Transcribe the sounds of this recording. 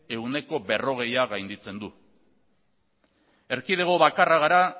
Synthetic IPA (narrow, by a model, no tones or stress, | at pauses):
e̞une̞ko̞be̞ro̞ɣ̞e̞jaɣajnd̪it͡se̞nd̪u | e̞ɾkiðe̞ɣ̞o̞βakaraɣ̞aɾa